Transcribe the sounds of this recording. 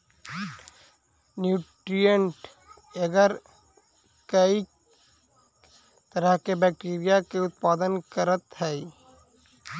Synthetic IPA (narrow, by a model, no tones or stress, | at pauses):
njuːʈɾijəɳʈ | əɡəɾ | kəi | t̪əɾəɦkebɛːk̚ʈeːɾijakeʊt̪̚paːd̪ənkəɾət̪ɦɛː